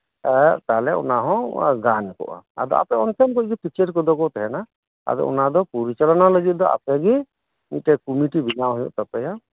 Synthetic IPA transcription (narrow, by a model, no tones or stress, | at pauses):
t̪aɦlɛɔ̰naɦɔ̃ɡankɔ̰ʔa̰a̰d̪ɔ̰a̰pɛɔnt̪ʰɛmkɔcɡipit͡ʃəɾkɔd̪ɔkɔt̪ɛɦɛna | a̰d̪ɔ̰ɔ̰nad̪ɔpuɾit͡ʃalɔnaləɡit̪̚d̪ɔʔa̰pɛɡi | niʈɛkumiʈibinawɦɔjɔ̰ʔt̪apɛja